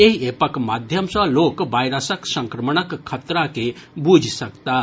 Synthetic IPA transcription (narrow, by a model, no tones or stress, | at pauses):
eɦeːpəkmaːd̪ʱjəmsə̃loːkʋaːɪɾəsəksə̃ŋkɾəməɳəkʰːət̪ɾakebuːd͡ʒʱsɐkt̪a